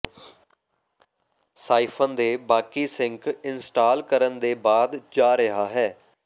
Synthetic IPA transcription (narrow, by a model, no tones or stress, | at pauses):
saːipʰə̃nd̪eːbaːkiːsɪŋkɪnsʈaːlkəɾənd̪eːbaːd̪d͡ʒaːɾəɦaːɦɛː